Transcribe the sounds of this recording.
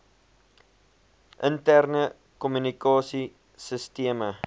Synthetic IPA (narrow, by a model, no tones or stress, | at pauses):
ʔəntærnə | kɔmynikɑːsi | səstiəmə